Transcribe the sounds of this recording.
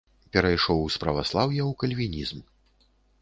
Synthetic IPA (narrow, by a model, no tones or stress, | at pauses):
pʲɛɾajʂɔwspɾɐvaslˠawjɐwkɐlʲvʲinʲizm